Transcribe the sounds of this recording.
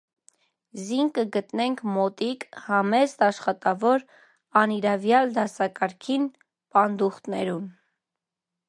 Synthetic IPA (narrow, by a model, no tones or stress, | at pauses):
ziŋkəɡət̪nɛŋkʰmɔt̪ikhɑmɛzt̪ɑʃχɑt̪ɑvɔɾ | ɑniɾɑvjɑld̪ɑsɑkɑɾkʰin | pɑnd̪uχt̪nɛɾun